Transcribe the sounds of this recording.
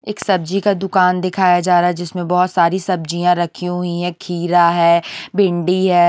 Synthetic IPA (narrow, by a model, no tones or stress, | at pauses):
eːksɐbd͡ʒikad̪ʊkaːnd̪ɪkʰaːjad͡ʒaːɾaːɦɛd͡ʒɪsmẽbɔɦt̪saːɾisɐb̚d͡ʒijãɾɐkʰiɦʊĩɦɛ̃kʰiːɾaɦɛːbɪ̃ɳɖiɦɛː